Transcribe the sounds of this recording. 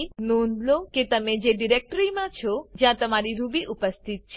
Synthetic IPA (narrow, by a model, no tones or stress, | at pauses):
nũnd̪loket̪əmed͡ʒeɖiɾek̚ʈəɾimãt͡ʃʰɔd͡ʒjãt̪əmaɾiɾubiʔupəst̪ʰit̪̚t͡ʃʰ